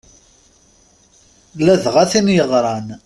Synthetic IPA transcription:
læðʁaθinjəʁɾˤɑn

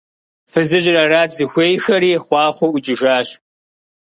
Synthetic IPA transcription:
fɨzɨʑɪrɐraːzɨxʷeːjxɐɾiːχʷɑːχʷoʔʊd͡ʒʼɪʒaːɕ

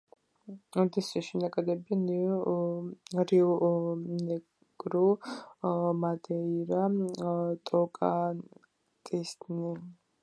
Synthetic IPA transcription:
ɔd̪isiʃinakʼad̪ɛbian | ɾiɔnɛ | ɡʼɾu | mad̪ɛiɾa | t̪ʼɔkʼa | t̪ʼist̪ni

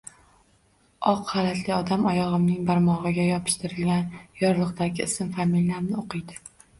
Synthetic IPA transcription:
ɒqhɑlat̪lɪɒd̪amɒjɒʁɨmnɪŋbaɾmɒʁɨɡʲajɒpʰɪ̥ʃt̪ʰɪɾɪlɡʲanjɒɾlˠɨqt̪aɡʲɪɪsɪmfamilʲːaɾnɪoqʰɨjd̪ɪ

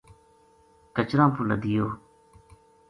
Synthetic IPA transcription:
kət͡ʃɾãːpulə̰d̪ɪjoː

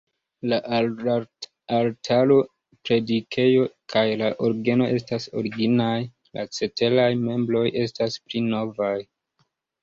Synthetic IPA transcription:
laʔ | altʰalo̞ | pɾe̞dikʰe̞jo̞kʰajlaʔoɾɡe̞no̞ʔe̞staso̞̰ɾiɡinaj | la̰t͡se̞te̞lajme̞mblo̞jʔe̞stasplino̞vaj

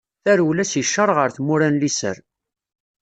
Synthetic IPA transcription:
θæɾwlæsjəʃːəɾˤʁəɾθmʊɾænlisə̰ɾ

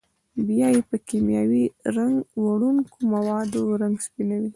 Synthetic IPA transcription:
bjɑjepəkemjɑwiɾaŋɡwaɽuŋkomawɑd̪oɾaŋɡspinawi

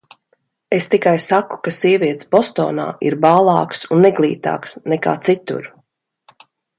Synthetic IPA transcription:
est̪ikajsaku̥kasiɛviɛt̪sbɔst̪ɔ̰ːna̰ːḭɾbaːlˠɑ̰ːksunːɛɡlˠiːt̪a̰ːksnɛka̰ːt̪sit̪ṵɾ

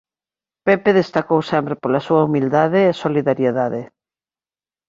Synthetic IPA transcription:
pepeðest̪akowsɛmpɾepolasuɐumild̪aðeːsoliðaɾjeðaðe

